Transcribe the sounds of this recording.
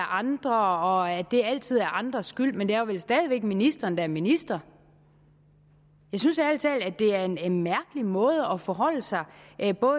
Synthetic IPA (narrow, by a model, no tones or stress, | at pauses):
ʔɑ̈nd̥ʁɐɒ̽æd̥e̝æl̰t͡sʰið̞̰ˠæɐʔɑ̈nd̥ʁɐsɡ̥yl̰mend̥æɐɐʋelsd̥ɛːð̞ˠiʋeɡ̥̚minisd̥ɐːnd̥æɐminisd̥ʁɐ | jɑ̈ɪsynsiælət͡sʰɛ̰ːl̩æd̥e̝æɐe̝nenmæɐɡ̥əlimɔ̽ːð̞ˠəɒ̽fɒɦɒ̽l̰əsɑ̈ɪʔb̥ɔ̽ː